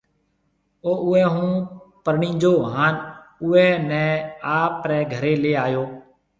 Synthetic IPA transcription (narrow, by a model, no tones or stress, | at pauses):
oːʔʊɛːɦũːpəɾɳĩːd͡ʒoːɦaːnʊːɛːnɛ̃ːaːpɾɛːɡʱəɾeːleːaːjoː